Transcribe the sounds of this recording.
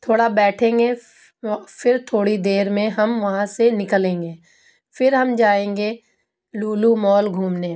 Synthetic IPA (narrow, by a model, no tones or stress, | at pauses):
t̪ʰoːɽabɛːʈʰẽːŋɡe | fɪɾt̪ʰoːɽid̪eːɾmẽɦɐmʋɐɦãsenɪkəlẽːŋɡeː | fɪɾɦɐmd͡ʒaːẽːŋɡe | luːlumɔːlɡʱuːmneː